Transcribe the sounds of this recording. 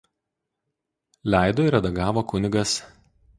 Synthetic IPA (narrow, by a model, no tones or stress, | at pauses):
lʲæˑɪd̪oːɪɾʲɐd̪ɐɡɑːʋoːkʊnʲɪɡɐs